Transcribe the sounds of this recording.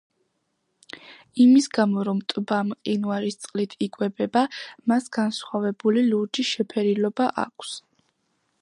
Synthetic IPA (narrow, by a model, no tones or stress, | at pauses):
imisɡamɔɾɔmt̪ʼbamqʼinuaɾist̪sʼqʼlit̪ʰikʼwɛbɛbamasɡ̥ansχwavɛbuliluɾd͡ʒiʃɛpʰɛɾilɔbaʔa̰kʷʰs